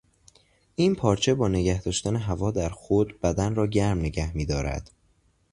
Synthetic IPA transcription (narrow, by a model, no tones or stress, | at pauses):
ʔiːnpʰɒːɾt͡ʃʰe̞bɒːne̞ɟæhd̪ɒːʃt̪æneɦævɒːd̪æɾxod̪bæd̪ænrɒːɟæɾmne̞ɟæhmiːd̪ɒːɾæ̰d̪̥